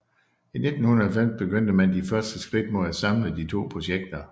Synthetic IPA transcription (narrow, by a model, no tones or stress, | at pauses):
ine̝d̥n̩hunɐælfem̰sb̥e̝ɡ̥øn̰d̥əmænd̥ifɶɐsd̥əsɡ̥ʁid̥̚moðˠæsɑ̈mləd̥it͡sʰo̝̰ːpʰʁo̝ɕeɡ̥̚d̥ɐ